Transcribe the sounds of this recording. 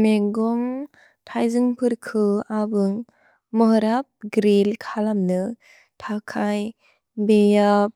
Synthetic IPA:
neɡɔŋ | tʰajzɯŋpʰɯɾkʰɯabɯŋ | mɯɦɯɾap̚ɡɾilkʰalamnɯ | tʰakʰaj | bejap̚

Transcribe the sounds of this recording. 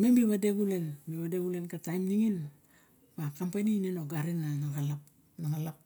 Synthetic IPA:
membiβadeɡule̞lbiβadeɡulenkatajmniŋin | bakampenineno̞ɡaɾinanaɡalap | naŋalap̚

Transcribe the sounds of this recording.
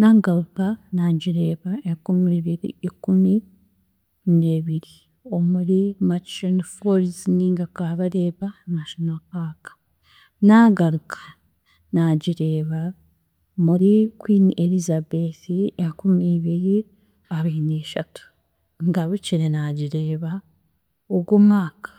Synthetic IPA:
naːɡaɾukanaɟiɾe̞ːβaekumiiβiɾḭikumi | neːβiɾi | o̞muɾimat͡ʃonfoɾizniːŋɡakaːβaɾeːβanaʃonalpaːkḁ | naːŋɡaɾukʰḁ | naɟiɾeːβa | muɾikwiːnielizabeθiekumiβiɾi | aβiːneːʃatu̥ | ŋɡaβuciɾenaːɟiɾeːβa | oɡwomŋaːkḁ

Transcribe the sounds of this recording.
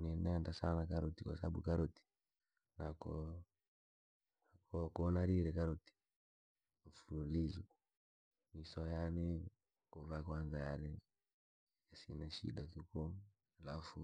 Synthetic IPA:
nɛnɛndasanakaɾɔtikwa̰saaɓṵkaɾɔti̥ | nakɔ | akɔkuɔnaɾiɾɛkaɾɔti̥ | ɱ̩fululizu | misɔjanɛ | kuvakwanzajaɾɛ | jasinaʃḭɗatukɔ | alafu

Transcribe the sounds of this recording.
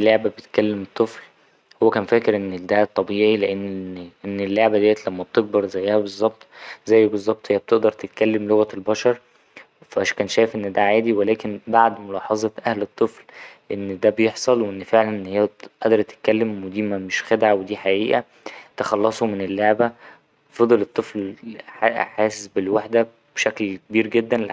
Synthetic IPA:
elːeʕbæbet̪kælːemet̪ˤːefl | howːækæːnfæːkeɾʔenːd̪æt̪ˤːɑbiːʕileʔenːʔenːelːoʕbæd̪æːjæt̪læmːæb̥̚t̪eɡ̚bɑɾˤzæjːæhæbezˤːɑb̚t̪ˤzæjːbezˤːɑb̚t̪ˤhejːæb̚t̪eʔd̪ɑɾˤt̪et̪̚kælːemloɣæelbɑʃɑɾˤ | fæʔæʃkæːnʃæːjefʔenːd̪æʕaːd̪iwelæːkenbaʕd̪molɑːħɑzˤɑbʔæhlet̪ˤːeflʔenːd̪æbejeħsˤɑlweʔenːfeʕlænʔenːhejːæʔɑʔd̪ɑɾˤt̪e̥t̪̚kælːemwed̪iːmæmeʃxed̪ʕawed̪iːħaʔiːʔæ | t̪exɑlːɑsˤumenelːeʕbæ | fɑd̪ˤelet̪ˤːefl | ħaːsesbelwaħd̪æ | b̥eʃæklkebiːɾɡed̪ːænl

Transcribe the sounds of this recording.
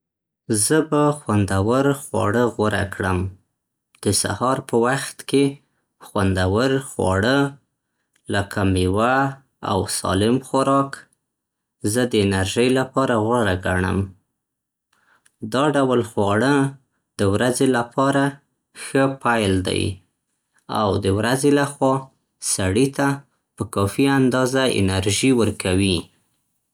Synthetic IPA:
zəbaxwand̪awəɾxwɑ̰ɽəɣwaɾa̰kɽəm | d̪̥əsa̰hɑɾpəwaxt̪ke | xwand̪awəɾxwɑ̰ɽə | lakʰamiwa | a̰wsɑ̰lɪmxaɾɑk | zəd̪əɪnaɾʒəjlapɑɾaɣwaɾaɡaɳə̰m | d̪ɑɖawəlxwɑɽə | d̪̥əwɾazelapɑɾa | xəpajld̪a̰j | a̰wd̪əwɾazelaxwɑ | saɽit̪a | pəkɑfiand̪ɑzaɪ̰naɾʒiwəɾkawi

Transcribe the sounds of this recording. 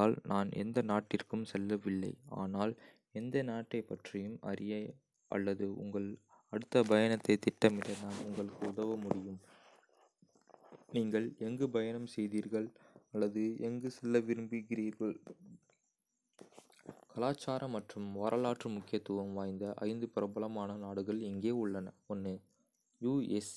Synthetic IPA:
lnʔaːnʔɛ̰nd̪ɐnaːʈːɪrkɯmsɛlːɐʋɪlːɐ̰ɪa̰ːnaːl | ɛnd̪ɐnaːʈːɐɪpːɐʈrɪjɯmɐ̰ɾɪjɐ | ʔɐ̰lːɐðɯʔʊ̰ŋɡɐɭ | ɐɽɯt̪ːɐbɐjɐnɐt̪ːɐɪt̪ːɪʈːɐmɪɽɐnaːnʊŋɡɐɭɯkːɯʊðɐʋɐmʊɽɪjɯm | niːŋɡɐɭɛŋɡɯbɐjɐnɐmsɛjðiːɾɣɐɭɐlːɐðɯɛŋɡɯsɪlːɐʋɪɾɯmbiɡɪɾiːɾɣɐɭ | kɐlaːt͡ʃːaːɾɐmːɐʈrɯmʋaːɾʔɐlaːʈrɯmʊkːɪjɐt̪ːuʋɐmʋaːjnd̪ɐʔɐ̰ɪnd̪ɯpɪɾɐbɐlɐmaːnɐnaːɽɯɣɐɭɪŋɡeːʊɭːɐnɐɔnːɯ | juːɛs

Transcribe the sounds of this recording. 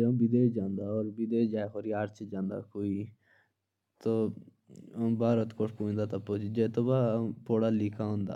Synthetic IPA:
d͡ʒə̃bɪd̪eːd͡ʒãːnd̪aːɔːɾbɪd̪eːd͡ʒaːeɦoɾiaɾt͡ʃʰd͡ʒãːnd̪a̰ːkoːiː | t̪oː | baːɾət̪koʂpũːnd̪aːt̪apot͡ʃd͡ʒet̪obapoːɽaːlɪkʰaɦʊ̃ːnd̪a̰ː

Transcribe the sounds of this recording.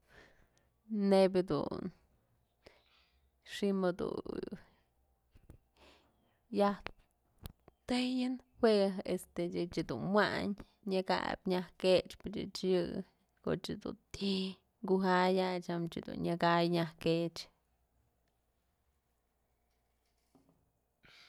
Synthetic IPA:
nebʲɨd̪ṵn | ʂimɨd̪ṵ | jah | t̪ɨjɨnhweɦest̪eɨt͡ʃid̪unmwaɲ | ɲɨka̰bʲɲahket͡ʃpɨt͡ʃɨ̰t͡ʃjɨ | ko̰t͡ʃɨd̪ṵnt̪ʰi | ŋɡuɦajat͡ʃamt͡ʃɨd̪ṵnɲakajɲahket͡ʃ

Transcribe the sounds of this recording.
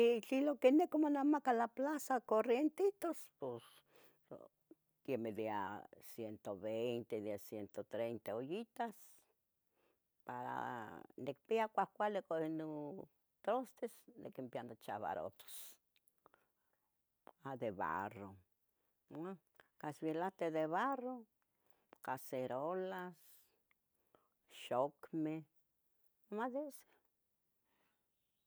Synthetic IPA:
it͡ɬilokenekomonamakalaplasakorjent̪it̪ospos | kemelia̰sjent̪oβejnt̪eðesjent̪ot̪ɾejnt̪aojit̪as | paɾa̰nek̚piakʷahkʷalekono | t̪ɾost̪esnḛkempjand̪ot͡ʃa̰βa̰ɾo̰t̪o̥s | ad̪eβa̰ro | a | kasbilat̪eðeβaro | kaseɾolas | ʃokme | amaðese̥

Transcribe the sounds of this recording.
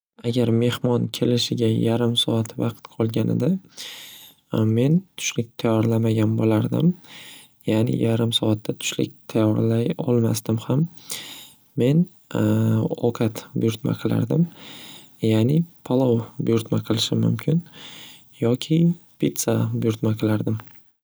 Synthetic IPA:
aɡʲaɾme̞hmɒnkʲʰe̞lɪʃɪɡʲajaɾɪmsɒat̪ʰvɑqt̪qʰɒlˠɡʲanɪ̰d̪a | me̞nt̪ʰʊ̥ʃlɪk̚ʲt̪ʰajɒɾlamaɡʲanbolaɾd̪ɪ̰m | janɪ̰jaɾɪmsɒat̪ʰːat̪ʰʊ̥ʃlɪ̰k̚ʲt̪ʰajɒɾlajɒlˠma̰sd̪ɪmhamː | e̞n | o̰kʰat̪bʊ̰jʊɾt̪ma̰qʰɨlˠa̰ɾd̪ɪm | jaːnɪpʰalˠɒwbʊjʊɾt̪maqʰɨlˠɪʃɪmʊ̰mkʲʰɪn | jɒkʲʰɪpʰit̪sabʊjʊɾt̪maqʰɨlˠaɾd̪ɪm

